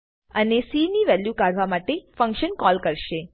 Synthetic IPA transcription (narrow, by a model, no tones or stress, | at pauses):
ənesiniʋɛljukaɽʋamaʈefə̃ŋkʃənkɔlkəɾʃe